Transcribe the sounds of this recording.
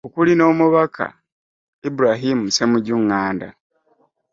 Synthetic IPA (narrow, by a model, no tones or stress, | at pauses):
okulino̞ːmuβakʰa̰ | ibuɾaɦimuse̞muɟuŋːaːnda̰